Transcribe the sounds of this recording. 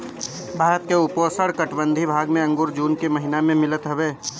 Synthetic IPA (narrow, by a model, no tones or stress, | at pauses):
bʱaːɾət̪̚keʊpoːsəɽkəʈbə̃nd̪ʱibʱaːɡmẽɐ̃ŋɡʊːɾd͡ʒuːnkemɐɦɪnamẽmɪlət̪ɦɐʋeː